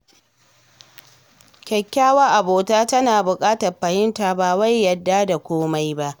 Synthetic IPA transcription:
kʲɛ˨kʲːaː˦wa˦ʔa˨boː˨taː˦tɐ˦naː˨bʊ˨kʼaː˦tɐ˨rɸɐ˨hɪ˦nta˨baː˨wa˦jːɐ˨dːaː˦da˨kʷoː˦ma˦jba˦ʔ

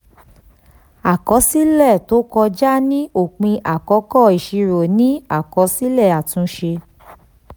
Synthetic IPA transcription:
a˨kɔ˧˦si˦lɛ˦˨to˨˦kɔ˧d͡ʒa˦nĩ˦o˦˨k͡pĩ˧ʔa˨kɔ˨˦kɔ˦˨i˨ʃi˧ɾo˨nĩ˦a˦˨kɔ˧˦si˦lɛ˦˨a˨tũ˧˦ʃe˧

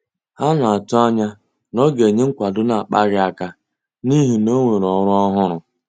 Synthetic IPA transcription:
ha˦na˨a˨tʊ˦a˦ɲa˦ | nɔ˦ɡe˨ɲe˦ŋ̩˦kʷa˨dʊ˦na˨a˨k͡pa˦ɣɪ˦a˦ka˦ | ni˦ɦi˨no˦ŋʷe˨ɾɔ˨˦ɾʊ˦ɔ˦ɦʊ˦ɾʊ˨

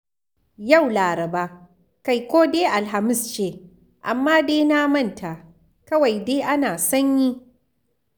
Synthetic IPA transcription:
ja˦˨wlaː˨ɾɐ˨baː˦ | ka˨jkʷoː˦deː˦ʔa˨lɦa˨mɪ˦˨st͡ʃeː˦˨ | ʔa˨mːaː˦deː˦naː˦mɐ˦˨ntʰa˨ | kɐ˦wa˨jdeː˦ʔa˦naː˨sɐ˦ɲji˦

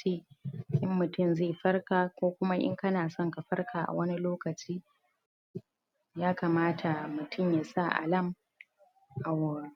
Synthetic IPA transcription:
iː˦ʔɪ˦mːʊ˨tʊ˦˨mzeː˦˨ɸɐ˦rkaː˨kʷoː˦kʷʊ˦ma˦ʔɪ̰˦ŋkɐ˦naː˨sɔ˦ŋka˨ɸɐ˦rkʰaː˨ʔa̰˨wɐ˦ni˦loː˦kɐ˨t͡ʃiː˦ | jaː˦ka˨maː˦tʰa˨mʊ˨tʰʊ˦˨mjaː˨sa˦˨ʔa̰˨lɐ˦˨m | ʔa˨wːa˨

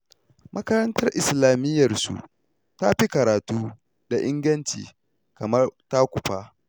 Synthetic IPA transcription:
mʔɐ˦kɐ˦ɾɐ˦ntɐ˦rʔɪ˨slaː˨mɪ˦jːɐ˨rsṵ˨ | ta˦ɸi˦kɐ˨ɾaː˨tuː˦ | da˨ʔɪ˦ŋɡɐ˦nt͡ʃḭː˨ | kɐ˨mɐ˦rta˦kʷʊ˨ɸaː˦

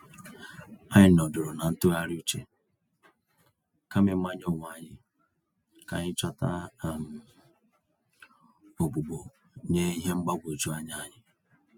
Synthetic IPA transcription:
a˦ɲɪ˦˨nɔ˨dʊ˨ɾo˨na˨n̩˦tʊ˦ɣa˦ɾu˦t͡ʃḛ˨ | ka˦me˨˦a˦ɲ˦o˦˨ŋ˨a˨ɲɪ˦ | ka˨ɲɪ˦t͡ʃa˦ta̰˦˨m˨ | o˨ɡ͡bu˨ɡ͡bo˨ | ɲe˦i˦ɦe˦ŋ͡m̩˦ɡ͡ba˦ɡʷo˨d͡ʒu˦a˦ɲa˦ɲɪ˦

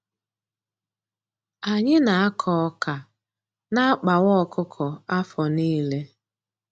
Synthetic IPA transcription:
a˨ɲɪ˦na˨a˦kʰɔ˦ka˨ | na˦a˦k͡pa˨wɔ˦˨kʰʊ˦kʰɔ˨a˦fɔ˨niː˦le˦

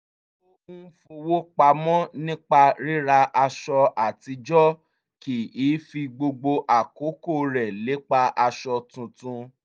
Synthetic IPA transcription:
o˦ũ˦fo˧wo˦k͡pa˧mɔ̃˦nĩ˦k͡pa˧ɾi˦ɾa˧ʔa˧ʃɔ˧a˨ti˧d͡ʒɔ˦ | ki˨iː˨˦fi˧ɡ͡bo˧ɡ͡bo˧ʔa˨ko˨˦ko˦˨ɾɛ˨le˨˦k͡pa˧ʔa˧ʃɔ˧tũ˧tũ˧

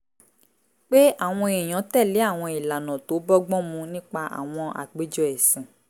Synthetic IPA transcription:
k͡pe˦a˦˨w̃ɔ̃˧e˨j̃ã˨˦tɛ˦˨le˨˦a˦˨w̃ɔ̃˧i˨la˨nɔ̃˨to˨˦bɔ˦ɡ͡bɔ̃˦mũ˧nĩ˦k͡pa˧ʔa̰˨w̃ɔ̃˧ʔa̰˨k͡pe˨˦d͡ʒɔ˦ɛ˨sĩ˨

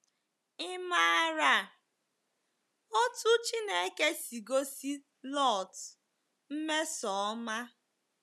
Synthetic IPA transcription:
ɪ˦ma˦ɾa˦˨ | o˦tu˦t͡ʃi˦ne˦ke˦si˨ɡo˦si˦ | lɔ˦˨t | m̩˦me˦sɔ˨˦ma˦

